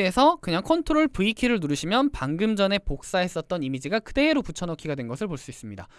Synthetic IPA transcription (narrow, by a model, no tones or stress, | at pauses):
esʰʌkɯɲaŋkʰontʰoɾoɭpuikʰiɾɯɭnuɾɯɕʰimjʌnpaŋɡɯmd͡ʑʌne̞pok̚s͈aɦe̞s͈ʌt̚t͈ʌnimid͡ʑiɡakɯde̞ːɾoput͡ɕʰʌnʌkʰiɡadwe̞nɡʌsʰɯɭpoɭs͈uis͈ɯmɲida